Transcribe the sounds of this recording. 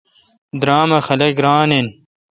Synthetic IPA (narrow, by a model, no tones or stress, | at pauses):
d̪ɾaːmɐxɐlɐɡɾaːnen